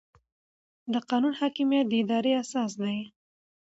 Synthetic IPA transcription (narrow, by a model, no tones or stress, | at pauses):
d̪əqɑnunhɑkimijat̪̚d̪əɪd̪ɑɾeasɑs̬d̪aj